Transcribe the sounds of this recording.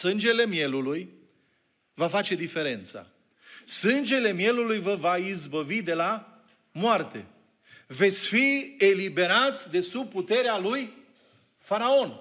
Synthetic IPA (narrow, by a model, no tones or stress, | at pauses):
sɨnd͡ʒe̞le̞mje̞luluj | vafat͡ʃe̞d̪ife̞ɾe̞nt̪sa̰ | sɨnd͡ʒe̞le̞mje̞lulujvəvaizbəvid̪e̞la | moart̪e̞ | ve̞t̪sʲfie̞libe̞ɾat̪sʲd̪e̞sub̚put̪e̞ɾealuj | faɾao̞n